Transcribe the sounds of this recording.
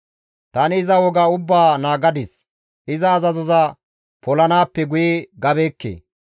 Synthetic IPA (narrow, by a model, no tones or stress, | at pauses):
t̪ɐnɪːzɐwɔɡaʊbːaːnaːɡɐd̪ɪs | ʔɪzɐːzɐzɔzɐ | pɔlɐnaːpːɛɡʊjeɡɐbeːkːḛː